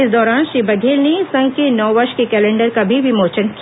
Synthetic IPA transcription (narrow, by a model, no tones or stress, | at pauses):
ɪsd̪ɔːɾaːnʃibɐd̪ʱeːlnesɐ̃ŋɡ̚kenɔːʋɐɾʃkekɛːlɛ̃ːɳɖəɾkabʱiʋɪmoːt͡ʃənki